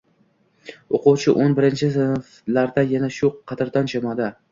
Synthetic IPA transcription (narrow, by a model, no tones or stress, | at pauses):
oqʊwt͡ʃʰɪʔonbɪɾɪnt͡ʃʰɪsnf | laɾd̪ajanaʃʊqʰɑt̪ɪɾd̪ɒnd͡ʒamɒd̪a